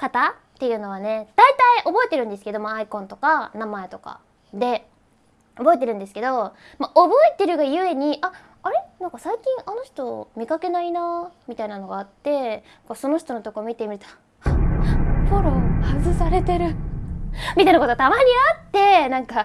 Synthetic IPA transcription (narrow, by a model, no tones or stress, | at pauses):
kat̪a | t̪ːe̞jɯ̟ːno̞β̞ane̞d̪̥ait̪aiʔo̞bo̞e̞t̪e̞ɾɯ̟̃nd̪e̞sɨ̥ke̞d̪o̞maːikõ̞nt̪o̞kanamae̞t̪o̞ka̰ | d̪e̞ | o̞bo̞e̞t̪e̞ɾɯ̟nd̪esɨ̥ke̞d̪o̞ | maʔobo̞et̪e̞ɾɯ̟ɡajɯ̟e̞ɲ̟iʔa | aɾe̞nãŋkasaikʲĩŋʔano̞çʲi̥t̪o̞mʲikake̞nainamʲit̪ainano̞ɡaːt̪ːe̞ | kaso̞no̞çi̥t̪o̞not̪oko̞mʲit̪e̞mʲiɾɯ̟t̪o | poɾo̞hazɨsaɾe̞t̪e̞ɾɯ̟ | mʲit̪ainakot̪ot̪amaɾʲiat̪ːe̞nãŋka